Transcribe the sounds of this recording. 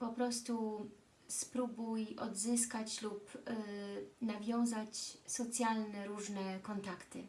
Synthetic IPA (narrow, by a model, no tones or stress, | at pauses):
pɔpɾɔst̪u | spɾubujɔ̰d̪zɘs̬kat͡ɕlup | navʲjɔ̃w̃zat͡ɕsɔt̪sʲjalnɛɾuʐnɛkɔnt̪akt̪ɘ̰